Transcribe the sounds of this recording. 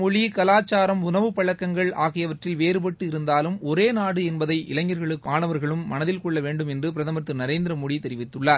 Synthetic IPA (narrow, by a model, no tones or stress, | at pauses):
mɔɻikɐlaːt͡ʃːaːɾɐmʊnɐʋɯpɐɻɐkːɐŋɡɐɭaːɣɪjɐʋɐʈrɪlʋeːɾɯpɐʈːɯɪɾɯnd̪aːlɯmɔɾeːnaːɽɯɛnbɐðɐɪʔɪ̰lɐŋːɐɾɣɐɭɯkːaːnɐʋɐɾɣɐɭɯmːɐnɐðɪlkɔɭːɐʋeːɳɖɯmɛndrɯpɪɾɐðɐmɐɾt̪ːɯnɐɾeːnd̪ɪɾɐmɔɽit̪ɛɾɪʋɪt̪ːɯɭːaːɾ